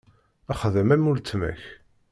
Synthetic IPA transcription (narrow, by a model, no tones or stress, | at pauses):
æχðæmæmult͡s̪ːmæ̰ç